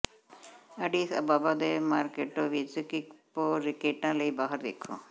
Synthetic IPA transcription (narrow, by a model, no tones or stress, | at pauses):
əɖisɐ̰baːbad̪emaːɾkeʈoʋid͡ʒikikpoɾɪkeʈãləibaːɦəɾd̪ekʰṵ̃